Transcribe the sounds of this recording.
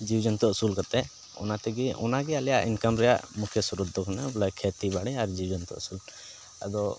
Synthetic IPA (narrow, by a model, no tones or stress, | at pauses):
d͡ʒiwd͡ʒɔnt̪ɔusulkat̪ɛ | ɔ̰nat̪ɛɡiʔɔ̰naɡɛalɛja̰ʔinkamɾɛja̰ʔmukʰjəsuɾud̪̚ɔkʰanabɔlakʰet̪ibaɽɛaɾd͡ʒiwd͡ʒɔnt̪ɔ̰ṵsul | ə̰d̪ɔ